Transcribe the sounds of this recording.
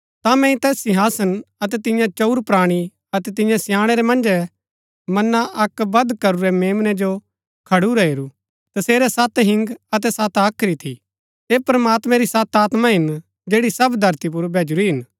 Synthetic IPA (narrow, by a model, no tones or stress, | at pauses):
t̪amɛ̃ːĩt̪ɛːsːĩɦaːsənɐt̪̬ɛt̪ɪ̃jãt͡ʃɐuɾpɾaːɽ̃i | ɐt̪ɛt̪̬ɪ̃jãsjãːɽ̃ɛɾɛmɐ̃nd͡ʒɛ | mɐnaʔɐkbɐd̪kɐɾuɾɛmeːmnɛd͡ʒo | kʰɐɽuɾɛeːɾu | t̪ɐseːɾɛsat̪ɦɪ̃ŋɡɐt̪̬ɛsat̪aːkʰɾit̪ʰi | eːpɾɐmaːt̪mɛ̃ɾisɐt̪aːt̪mãɦɪn | d͡ʒeːɽisɐbd̪ʱɐɾt̪ip̬ʊɾbʱɛːd͡ʒuɾiɦɪn